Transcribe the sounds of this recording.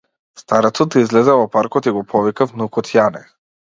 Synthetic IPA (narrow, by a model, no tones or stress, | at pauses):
st̪aɾat̪sɔt̪izlɛzɛvɔpaɾkɔt̪iɡɔpʰɔvikafnukɔt̪ʰjanɛ̰